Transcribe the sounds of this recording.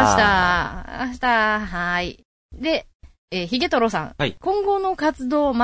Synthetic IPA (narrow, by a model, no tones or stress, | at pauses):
aɕi̥t̪aa̰ɕi̥t̪aɦai | d̪e̞ | eːçiɡe̞t̪oɾo̞sã̰ŋakõ̞ŋɡo̞no̞kat͡sɨd̪o̞ːma